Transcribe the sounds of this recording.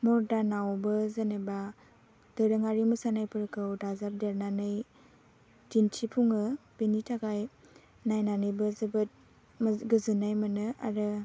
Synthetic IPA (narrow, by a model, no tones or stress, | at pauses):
mɔɾdanawbɯzaneba | d̥ɯɾɯŋaɾimɯsanajpɯɾɯkʰɯwdazap̚deɾnanɯj | dintʰipʰuŋɯb̥enitʰaɡaj | najnanɯjbɯzɯbɯt̚ | mɡɯzɯnajmɯnɯa̰ɾɯ